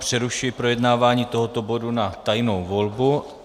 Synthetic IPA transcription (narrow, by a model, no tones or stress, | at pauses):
pr̝̥ɛɾuʃɪjɪpɾo̞jɛdnaːvaːɲiːt̪o̞ɦot̪o̞bo̞dunat̪ajno̞wvo̞lbu